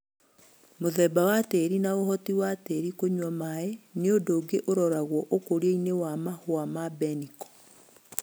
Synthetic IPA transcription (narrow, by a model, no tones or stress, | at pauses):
moðɛbawateɾinaohɔtiwateɾikoɲwamaeneodoːɡeʔoɾɔɾaɣwɔʔokoɾeinewamahwamabɛnikɔ̥